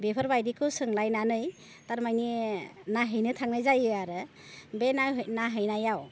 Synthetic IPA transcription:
bepʰɔɾbajdikʰɯwsɯŋlajnanɯj | taɾmajninaɦɯjnɯtʰaŋnajzajɯaɾɯ | benaɦnaɦɯjnajaw

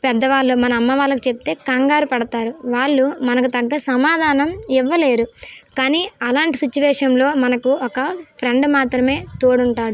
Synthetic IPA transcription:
pɛd̪ːɐʋaːɭːumɐnɐːmːɐʋaːlːɐkit͡ʃep̚t̪e̞ːkɐŋɡaːɾupɐɽɐt̪aːɾuʋaːɭːumɐnɐkut̪ɐɡːɐsɐmaːd̪ʱaːnɐmiʋːɐle̞ːɾukaːniːɐlaːɳʈisut͡ʃːiʋɛːʂɐmlo̞ːmɐnɐkuɔkɐpʰɾeɳɖmaːt̪ɾɐme̞ːt̪oːɽuɳʈaːɽu

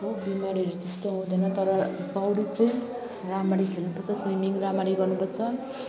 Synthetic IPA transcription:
obimaɾiɾid͡zisʈʌɦũd̪ʌnʌt̪ʌɾʌbawɽit͡sʌĩ | ramaɾikʰelnupʌrt͡sʰʌswimiŋramaɾiɡʌrnupʌrt͡sʰʌ

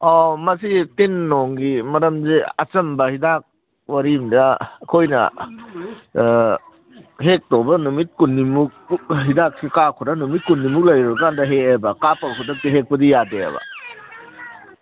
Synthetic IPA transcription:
ɔmɐsitinːoŋɡimɐɾɐmziɐ̰t͡ʃɐmbɐhidak̚ | wɐɾimdɐːkʰojnɐ̰ | hek̚tobɐnumit̚kunːimuk̚ɦidak̚sikakʰuɾɐnumit̚kunːimuk̚lɐjɾɔbkandɐɦeebɐkapɐɡkudɐk̚tiɦek̚pɐdijadeɐ̰bɐ̰

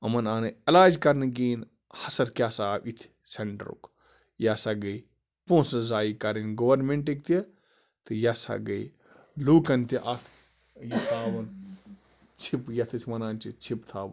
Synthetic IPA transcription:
ɐmɐnaːnɐɐlaːd͡ʒkɐɾnɨɡiːn | hɐsɐɾkjaːsaːwit̪ʰ | seɳʈɐ̰ɾṵk | jasɐɡɐj | põːsɐzaːikɐɾinɡowɐɾmẽɳʈik̚t̪i | t̪ɨjasa̰ɡɐi | luːkɐnt̪iʔɐkʰ | jɐt̪ʰaːʋɐn | t͡ʃʰipjɐt̪ʰɐsʲmɐnaːnt͡ʃit͡ʃʰipt̪ʰa̰ːʋɐ

